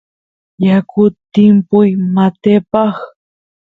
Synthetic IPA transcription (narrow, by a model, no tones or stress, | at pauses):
jakʊt̪ːɪmpʊjmat̪epɑχ